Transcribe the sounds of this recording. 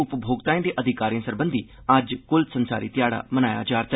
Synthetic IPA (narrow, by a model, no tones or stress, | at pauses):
ʊpbʱoːɡt̪aːĩd̪eːʔəd̪ʱɪkaːɾiãsəɾbə̃nd̪ʱiː | ɐd͡ʒkʊlsənsa̰ːɾḭːt̪ɪjaːɽa̰ːmənaːja̰ːd͡ʒaːɾt̪ə